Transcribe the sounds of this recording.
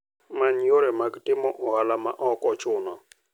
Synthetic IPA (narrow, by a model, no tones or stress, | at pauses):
maɲjoɾemaɡtɪmɔʔɔhalamaʔɔkɔt͡ʃʊnɔ